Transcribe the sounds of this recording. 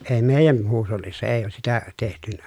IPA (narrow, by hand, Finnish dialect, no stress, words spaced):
eː meːjæn huːsholːisːɑ eː oːs sitæ tehtynæ